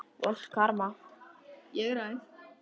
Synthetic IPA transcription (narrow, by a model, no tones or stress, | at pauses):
ɔ̰ɬkʰaɾma | jɛɣɾajθ